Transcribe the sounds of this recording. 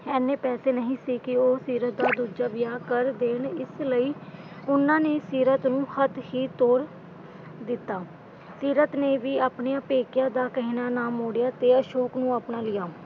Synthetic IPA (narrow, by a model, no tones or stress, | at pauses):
ɛːnːeːpɛːseːnəɦĩːsiːkɪoːsiːɾət̪̚d̪aːd̪uːd͡ʒaːʋɪjaːkəɾd̪eːɳɪsləiː | ʊnãːneːsiːɾət̪nũːhət̪hiːt̪oːɾ | d̪ɪt̪ːaː | siːɾət̪neːʋiːaːpneːəpeːkɪjãːd̪aːkəɦiːnaːnaːmoːɽɪjaːt̪eːəʃoːknũːaːpnaːlɪjaː